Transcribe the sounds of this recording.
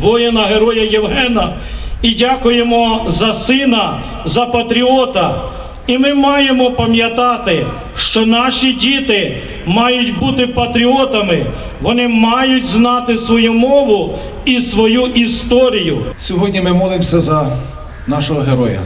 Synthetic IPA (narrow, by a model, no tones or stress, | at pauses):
ʋɔjenɐɦeɾɔjɐjeʋɦɛnɐ | idʲakʊjemɔzɐsɪnɐ | zɐpɐt̪ɾʲiɔt̪ɐ | imɪmɑjemɔpɐmjɐt̪ɑt̪ɪ | ʃt͡ʃɔnɑʃidʲit̪ɪ | mɑjʊtʲbut̪ɪpɐt̪ɾʲiɔt̪ɐmɪ | ʋɔnɪmɑjʊtʲznɑt̪ɪsʋɔjumɔʋʊ | isʋɔjuʔist̪ɔɾʲijʊsʲɔɦɔdʲnʲimɪmɔlˠɪmsʲɐzɐ | nɑʃɔɦɔɦeɾɔjɐ̰